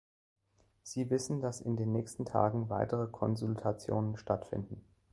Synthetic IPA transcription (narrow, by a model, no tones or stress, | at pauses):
z̥iːvɪsn̩dasɪ̰ndeːnːɛːçstn̩tʰa̰ːɡŋ̩vaɪtəʁ̞əkʰɔnzʊltʰat͡sjo̰ːnənʃtatfɪ̰ndn̩